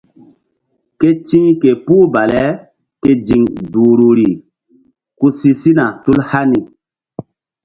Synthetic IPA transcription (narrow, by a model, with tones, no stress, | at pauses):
ke˦t͡ʃĩ˦ŋke˨puː˦ba˨lɛ˦ | ke˦d͡ʒi˨ŋdu˨ɾu˨ɾi˨ | ku˦si˦si˦na˨tu˦lha˦ni˨